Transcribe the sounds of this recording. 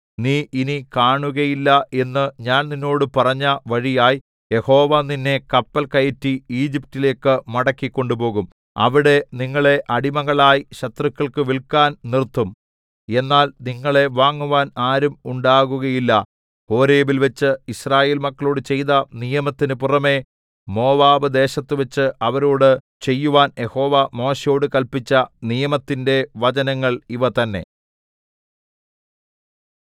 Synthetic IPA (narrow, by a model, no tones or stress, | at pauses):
niːʔinikaːɳuɣɐjilːɐe̞nːɨɲaːnninːo̞ːɽɨpɐrɐɲːɐʋɐɻijaːji | je̞ho̞ːʋaːninːe̞kɐpːɐlkɐjɐtːiiːd͡ʑip̚tile̞ːkːɨmɐɽɐkːikʲːo̞ɳɖupo̞ːɣum | ɐ̰ʋiɽe̞niŋːɐɭe̞ʔɐɽimɐɣɐɭaːjiɕɐt̪rɨkːɐɭkɨʋiɭkaːnnirt̪ːum | e̞nːaːlniŋːɐɭe̞ʋaːŋːuʋaːnaːɾumuɳɖaːɣuɣɐjilːɐ | ho̞ːɾe̞ːbilʋet͡ɕːɨiɕraːje̞ːlmɐkːɐɭoːɽɨt͡ɕe̞jðɐnijɐmɐt̪ːinɨpurɐme̞ | mo̞ːʋaːʋɨd̪e̞ːɕɐt̪ːɨʋet͡ɕːɨɐʋɐɾoːɽɨ | t͡ɕe̞jːuʋaːnje̞ho̞ːʋamo̞ːɕɐjo̞ːɽɨkɐlpit͡ɕːɐnijɐmɐt̪ːinde̞ʋɐd͡ʑɐnɐŋːɐɭiʋɐt̪ɐnːe̞̰